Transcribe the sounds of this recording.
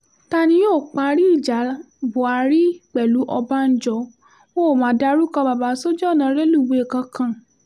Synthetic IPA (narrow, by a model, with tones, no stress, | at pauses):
ta˧˨nĩ˧˦joː˦˨k͡pa˧ɾi˦i˦˨d͡ʒa˨˦ | bo˨a˧ɾi˦k͡pɛ˨lu˨˦ʔɔ˧ba˦n̩˦d͡ʒɔ˧˦ | wo˦˨mãː˨˦da˦˧ɾu˦kã˧ba˨ba˨˦so˦d͡ʒɔ˦˨nã˨˧˦ɾe˦lu˦˨be˨e˨kã˧kã˧˨